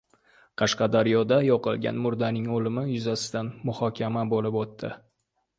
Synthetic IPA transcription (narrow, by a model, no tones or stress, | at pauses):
qʰɑʃqɑd̪aɾjɒd̪ajɒqɨlˠɡʲa̰nmʊɾd̪anɪŋolɪmɪjʊzasɪ̥d̪anmʊhɒkʲʰamabolɪpot̪ːɪ